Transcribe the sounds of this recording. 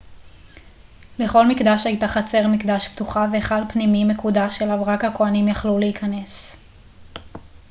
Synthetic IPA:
le̞χo̞lmikd̪aʃajtaχat͡se̞ʁmikd̪aʃptuχaveːχadpnimimekudaʃelavʁakhakoanimjaχluleikʰane̞s

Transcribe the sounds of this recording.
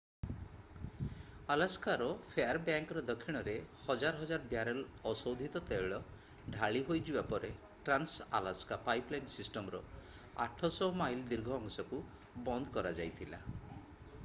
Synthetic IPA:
alaskaɾɔpʰeaɾbjaŋkɔɾɔd̪ɔkʰːiɽ̃ɔɾehɔd͡ʒaɾɔɦɔd͡ʒaɾɔbjaɾɔlɔsowd̪ʱit̪ɔt̪eɭɔ | ɖʱaɭiɦojd͡ʒibapɔɾe | ʈɾansa̰laskapajplajnsisʈɔmɔɾɔ | a̰ʈʰɔsɔɦomajld̪iɾɡʱɔːŋsɔku | bɔnd̪ɔkɔɾad͡ʒajt̪ʰila̰

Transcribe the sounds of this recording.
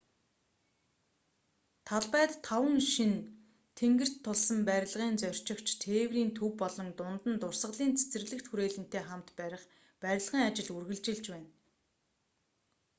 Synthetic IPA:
t̪ʰaɮpæːt̪ʰːawə̆ŋʃin | t̪ʰeŋɡɘ̆r̥t̪ʰːʊɮsə̆mpæɾʲɪ̆ɮʁiːnt͡sœr̥ʲt͡ɕɪ̆kt͡ɕʰt̪ʰeːwriːnt̪ʰɵwːɔɮɞ̆ŋt̪ʊnt̪ə̆nt̪ʊrsə̆ɮiːnt͡sʰe̥t͡sɘ̆rɮɘ̆kt̪xuɾeːɮɘ̆n̥t̪eːχamt̪pæɾʲɪ̆χ | pæɾʲɪ̆ɮʁiːŋat͡ɕɪ̆ɮurɣɘ̆ɮt͡ɕɪ̆ɮt͡ɕpæːn

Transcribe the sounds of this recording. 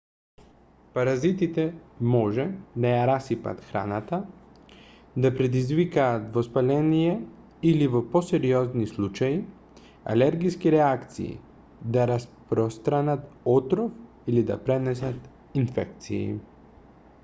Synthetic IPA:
paɾazit̪it̪ɛmɔʒɛd̪ajaɾasipa̰t̪xɾa̰nat̪a | d̪apɾɛd̪izvikaːt̪vɔspalɛnijɛ | ilivoposɛɾiɔznislˠut͡ʃaji | a̰lɛɾɡijskiɾɛakt̪sḭḭ | d̪aɾaspɾɔst̪ɾanat̪ɔt̪ɾof | ilid̪a̰pɾɛnɛs̬at̪ | infɛ̰k̚t̪sḭḭ

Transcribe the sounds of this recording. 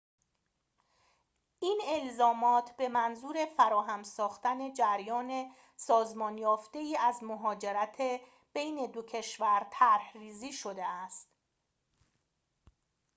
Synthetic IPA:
ʔiːne̞lzɒːmɒːt̪ʰb̥e̞mænzuːɾe̞fæɾɒːɦæmsɒːxt̪æne̞d͡ʒæɾjɒːne̞ | sɒːzmɒːnjɒːft̪e̞iːæzmoɦɒːd͡ʒe̞ɾæt̪ʰe | b̥e̞jne̞d̪ocʰe̞ʃvæɾt̪ʰæɾhriːziːʃo̞d̪e̞æst̪

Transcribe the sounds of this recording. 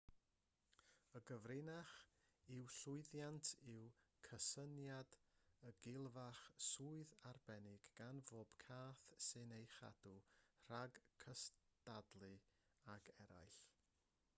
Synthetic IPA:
əɡəvrɪnaχ | ɪwɬʊɨðjantʰɪwkʰəsənjadəɡɪlˠvaχsuːɨðarbɛnɪɡ̥ːanvoːb̥kʰaːθsɨnejχa̰dur̥aɡkʰəstadlˠɨ | aɡɛɾa̰jɬ

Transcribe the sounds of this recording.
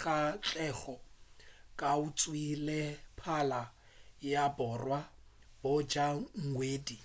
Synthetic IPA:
kʼat͡ɬʼɛɣɔ | kʼaut͡sʼwilɪpʰala | jabɔrwa | bʊd͡ʒaŋ̩weːdi

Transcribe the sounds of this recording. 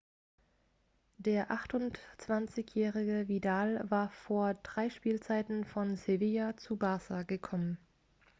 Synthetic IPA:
d̥eːɐʔaχtʊnt͡sv̥ant͡sɪçjɛːʁɪɡəvidaːlvaːɐfoːɐd̥ʁaɪʃpiːlt͡saɪtn̩fɔnseviat͡subaːsaɡəkʰɔmən

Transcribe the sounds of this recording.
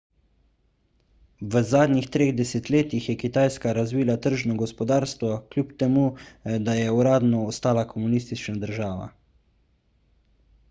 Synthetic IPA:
ʋəzaːd̪nʲixt̪ɾeːɣd̪ɛsɛt̪leːt̪ixjɛkit̪aːjskaɾazʋiːlat̪əɾʒnɔɡɔspɔd̪aːɾst̪ʋɔklʲjupt̪ɛmuːd̪ajɛuɾaːd̪nɔːst̪aːlakʰɔmuniːst̪it͡ʃnad̪əɾʒaːʋa̰

